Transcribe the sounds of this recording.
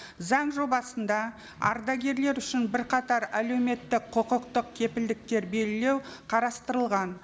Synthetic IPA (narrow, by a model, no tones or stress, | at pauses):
zɑɴʒo̞bɑsənd̪ɑ | ɑ̰ɾd̪ɑɡʲe̞ɾle̞ɾʏʃɪnbɪɾqʰɑt̪ɑɾæle̞wme̞t̪ːɪk̚qʰoqəqt̪əq̚kʲʰe̞pɪld̪ɪk̚t̪e̞ɾbe̞lɪle̞wqʰɑɾɑst̪əɾəlˠʁɑn